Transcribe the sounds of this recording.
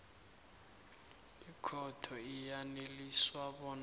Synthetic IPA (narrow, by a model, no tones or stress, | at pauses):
ikʰɔtʰɔijaneliswaɓɔn